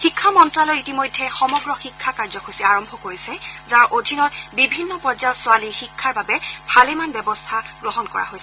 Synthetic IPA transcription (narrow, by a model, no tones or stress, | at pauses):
xikʰːamɔntɹalɔjitimojdʱːɛxɔmɔɡɹɔxikʰːakaɹzɔxʰosiaɹɔmbʱɔkoɹisɛzaɹʔodʱinɔtbibʱinːɔpɔzaɔtsʊaliɹxikʰːaɹbabɛb̥ʱalemanbɛbɔstʰaɡɹɔɦɔnkɔ̰ɹa̰ɦojsɛ